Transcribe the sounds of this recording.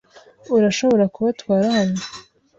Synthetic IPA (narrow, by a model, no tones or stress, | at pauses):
uɾaʃo̞βo̞ɾakuβatwaːɾahano